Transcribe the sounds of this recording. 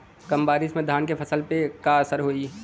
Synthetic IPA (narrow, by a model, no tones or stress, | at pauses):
kɐmbaːɾɪsmẽd̪ʱaːnkepʰɐsəlpekaəsəɾɦoːi